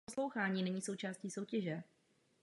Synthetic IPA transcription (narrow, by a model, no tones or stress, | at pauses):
slo̞wxaːɲiːnɛɲiːso̞wt͡ʃaːsciːso̞wcɛʒɛ